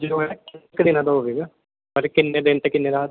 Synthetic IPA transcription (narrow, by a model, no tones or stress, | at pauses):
d͡ʒoːɦɛkɪkd̪eːnãd̪aɦoːʋeːɡaː | pəɾkɪnːeːɖ̪ẽːnʈ̪akɪnːeːɾaː